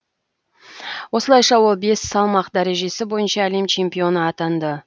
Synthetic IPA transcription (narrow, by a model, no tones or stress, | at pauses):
wo̞səlˠɑjʃɑwo̞lˠbe̞sːɑlˠmɑqd̪æɾe̞ʒe̞sɪbo̞jənʃɑːlemt͡ʃʰe̞mpijo̞nəɑt̪ɑnd̪ə